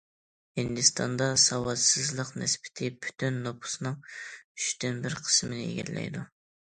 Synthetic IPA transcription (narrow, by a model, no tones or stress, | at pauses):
hɪnd̪ɨst̪ʰɑ̰nd̪ɑsɑwɑt̪sɨzlˠəqnɛsbɪ̥t̪ʰɪpʰy̥t̪ʰynːopʰʊ̥sɨnɨŋyʃt̪ynbɪɾqʰə̥smɪnɪḛɡʲɛ̰llɛ̰jd̪u